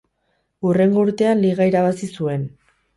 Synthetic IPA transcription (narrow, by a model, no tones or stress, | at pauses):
ure̞ŋɡo̞uɾt̪e̞anliɣaiɾaβ̞asisue̞n